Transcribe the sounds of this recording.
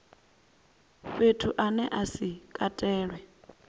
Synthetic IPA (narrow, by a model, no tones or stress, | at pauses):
petʰuʔanɛʔasikʼatʼɛːɺwɛ